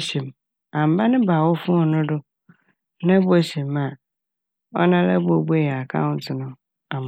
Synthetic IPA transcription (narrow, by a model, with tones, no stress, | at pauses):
ɕi˨m | ã˨m̩˨ba˦nɪ̃˦ba˨wɔ˦fʊ̃˦˨nʊ̃˦dʊ˦ | nã˦bo˦˨ɕi˨ma˨ | ɔ˦nã˦la̰˦bo˨be˦˨jɛ˨a˨kʰã̰˦ʊ̃˦n̩˦tʰɪ˨nʊ̃˦ | a˨m